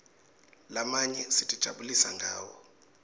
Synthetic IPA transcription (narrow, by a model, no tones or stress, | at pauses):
lamaɲɛsitʼid̥ʒ̥ʱaɓulisaŋɡʱa̰ːwɔ